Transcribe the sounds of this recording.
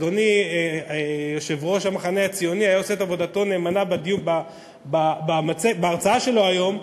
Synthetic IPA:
oniejoʃe̞vʁo̞ʃamaχaneat͡sijo̞niajao̞seetavo̞dato̞ne̞ːmanabed̪ijuba | babamat͡sebeaʁt͡saaʃe̞lo̞ajo̞m

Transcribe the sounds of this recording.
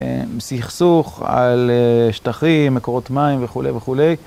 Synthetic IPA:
msiχsuχa̰lʃt̪aχimːekoʁot̪maimveχulejveχule̞j

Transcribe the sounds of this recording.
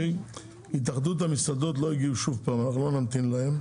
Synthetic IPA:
it̪̬aχd̪ut̪hamisad̪o̞t̪lo̞iɡiuʃuvpaːmanaχnulo̞namt̪inlahem

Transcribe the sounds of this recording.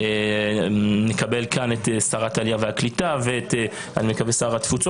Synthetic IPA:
e | nekabe̞lkanetesaʁatalijaveaklitaveete | a̰nimekavesaːʁat̪ːfut͡so

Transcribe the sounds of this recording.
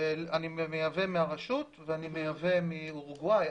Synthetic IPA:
animmejavemiaʁaʃutveanimejave̞miuʁuɡwaj

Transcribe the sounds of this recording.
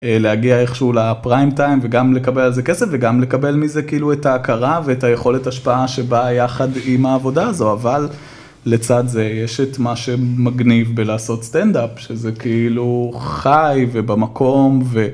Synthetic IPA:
elehaɡiaeχʃeulapʁajmtajmveɡamle̞kabe̞lalzeke̞sefveɡamle̞kabe̞lmizekeiluetaːkaʁaveetajeχo̞le̞taʃpaaʃe̞bajaχadimaːvo̞daːzo̞aval | let͡sadzejeʃetmaʃe̞maɡnivbelaːso̞tst̪endapʃezekeiluχajve̞bamakʰo̞mve̞

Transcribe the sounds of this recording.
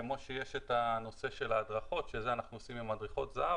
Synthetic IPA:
mo̞ʃejeʃet̪ano̞se̞ʃe̞laːd̪ʁaχo̞tʃezeanaχnuosimimad̪ʁiχo̞t̪zaʔa

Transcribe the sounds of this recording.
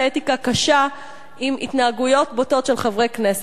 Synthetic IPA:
etikakaʃa | imḭtnaːɡujo̞tboto̞tʃelχavʁejknes

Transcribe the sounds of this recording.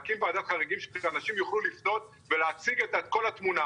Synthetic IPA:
kimbaːd̪atχaʁiɡimʃe̥anaʃimjuχlulifno̞t̚ | veleat͡siɡet̪atko̞latmuna

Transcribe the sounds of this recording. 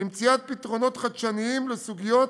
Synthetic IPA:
imt͡siat̪̚pit̪ʁo̞no̞t̪χad̪ʃaniimlesuɡijo̞t

